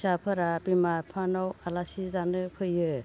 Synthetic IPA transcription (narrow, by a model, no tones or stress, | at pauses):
sapʰɯɾabimapʰanɔwalasizanɯpʰɯjɯ